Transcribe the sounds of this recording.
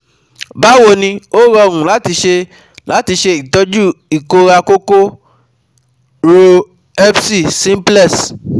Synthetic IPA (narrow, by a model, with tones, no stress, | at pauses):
ba˨˦wo˦˨nĩ˧o˦ɾɔ˧˨ɾũ˨la˨˦ti˧ʃe˧ | la˨˦ti˧ʃe˧i˨tɔ˦d͡ʒu˦i˨ko˧ɾa˧ko˦ko˦ | ɾo˧ | ɛ˦fsi˦˨sĩ˦plɛ˦˨s